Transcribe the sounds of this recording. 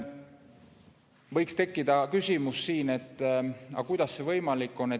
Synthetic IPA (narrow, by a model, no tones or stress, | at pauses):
vɤjkst̪e̞kːid̪̥ɑkysʲimussiːne̞t̪ːˑɑ̰kujd̪̥ɑsːe̞vɤjmɑlikːo̞nːe